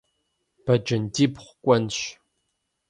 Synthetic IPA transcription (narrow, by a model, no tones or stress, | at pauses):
b̥ɐd͡ʒɐndiːpχʷkʷʼɔnɕ